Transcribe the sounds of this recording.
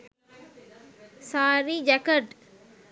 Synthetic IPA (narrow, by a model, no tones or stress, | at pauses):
saːɾiːd͡ʒɛkəʈ